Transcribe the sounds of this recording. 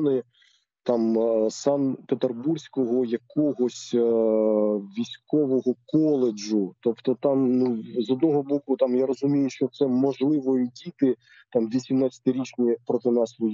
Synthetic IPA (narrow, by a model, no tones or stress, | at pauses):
nɪ | t̪ɑmsɑnpet̪erbursʲkɔɦɔjɐkɔɦɔsʲ | ʋʲisʲkɔʋɔɦɔkɔlˠed͡ʒʊt̪ɔpt̪ɔt̪ɑmnuzɔd̪nɔɦɔbɔkʊt̪ɑmjaɾɔzʊmʲijʊʃt͡ʃɔt̪sɛmɔʒlˠɪʋɔjʊdʲit̪ɪ | t̪ɑmʋʲisʲimnɑt͡sʲɐ̥t̪ɪɾʲit͡ʃnʲipɾɔt̪ɪnɑsʋɔj